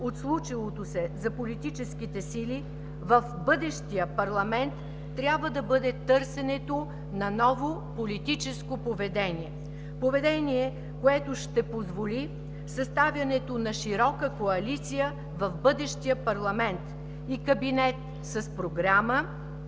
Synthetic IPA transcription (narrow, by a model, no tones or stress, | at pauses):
ot̪slˠut͡ʃilˠot̪osɛzɐpolit̪it͡ʃɛsk̟it̪ɛsili | vɐfbɤd̪ɛʃt̪ijəpɐɾlˠɐmɛnt̪ː | ɾʲabvəd̪ɐbɤd̪ɛt̪ɤɾsɛnɛt̪o | nɐnɔvopolit̪it͡ʃɛskopovɛd̪ɛniɛ | povɛd̪ɛniɛ | koɛt̪oʃt̪ɛpozvoli | sɐst̪avʲjɐnɛt̪onɐʃiɾɔkəkoɐlit̪sijə | vɐfbɤd̪ɛʃt̪ijəpɐɾlˠɐmɛnt̪ | ikɐbinɛt̪̚ | sɐspɾoɡɾamə